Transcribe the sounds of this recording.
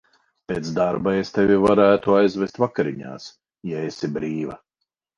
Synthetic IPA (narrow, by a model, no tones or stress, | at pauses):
peːt̪sd̪aɾbaest̪evʲivaɾæːt̪uajzvɛst̪vakaɾiɲa̰ːs | jaesibɾiːva̰